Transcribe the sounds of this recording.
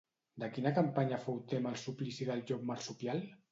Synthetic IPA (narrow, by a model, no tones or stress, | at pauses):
d̪əkinakampaɲafowt̪emalˠsuplisiðalʒop̚maɾsupjal